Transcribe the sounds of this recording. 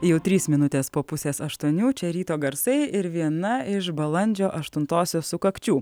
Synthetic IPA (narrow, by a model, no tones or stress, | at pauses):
jɛʊt̪ʲɾʲiːsmʲɪnʊt̪ʲeːspoːpʊsʲeːsɐʃt̪uɔnʲuːt͡ʃʲɛɾʲiːt̪oːɡɐɾsɐɪɪɾʋʲiɛnɐɪʃbɐlˠɐnʲd͡ʒʲoːʔɐʃt̪ʊnt̪oːsʲoːssʊkɐkt͡ʃʲuː